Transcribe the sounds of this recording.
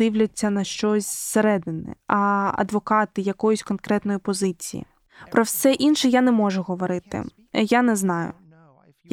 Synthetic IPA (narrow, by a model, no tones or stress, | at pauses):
ɪwlʲɐt͡sʲːɐnɐʃt͡ʃɔsʲseɾɛd̪ɪnɛ̰ɐɐ̰d̪ʋɔkɑt̪ɪjɐkɔjʊsʲkɔnkɾɛt̪nɔjipɔzɪt͡sʲijḭ | pɾɔwsɛʔinʃɛjanɛmɔʒʊɦɔʋɔɾɪt̪ɪ̰ | janɛznɑjʊ̰